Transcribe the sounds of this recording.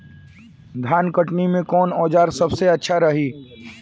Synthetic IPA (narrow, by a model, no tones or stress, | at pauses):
d̪ʱjaːnkəʈnimẽkɔːnɔːd͡ʒaːɾsɐbseɐtːʃʰaɾɐɦiː